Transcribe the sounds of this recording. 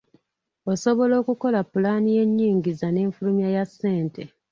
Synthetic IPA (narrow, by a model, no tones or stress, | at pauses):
oso̞βo̞lo̞ːkuko̞lapːulaːnije̞ɲːiːŋɟizane̞ːɱfulumjajasːe̞ːnte